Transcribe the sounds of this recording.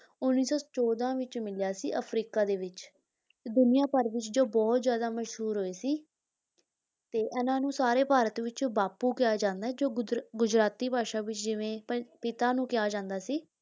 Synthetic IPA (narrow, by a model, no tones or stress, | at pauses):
ʊnːiːsɔːt͡ʃɔːd̪ãːʋɪt͡ʃmɪljaːsḭːʔəpʰɾiːkaːd̪eːʋɪt͡ʃː | d̪ʊnɪjãːpəɾʋɪt͡ʃd͡ʒoːbɔːt̪zjaːd̪aːməʃɦuːɾɦoːeːsiː | t̪eːʔɛːnãːnũːsaːɾeːpaːɾət̪ʋɪt͡ʃbaːpuːkɪjaːd͡ʒãːnd̪aːɛːd͡ʒoːɡʊd͡ʒɾaːt̪iːpaːʃaːʋɪt͡ʃd͡ʒɪʋẽːppɪt̪aːnũːkɪjaːd͡ʒãːnd̪aːsiː